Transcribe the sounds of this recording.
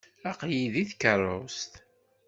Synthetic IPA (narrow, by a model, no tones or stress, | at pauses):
æqjiðiθkərˤost̪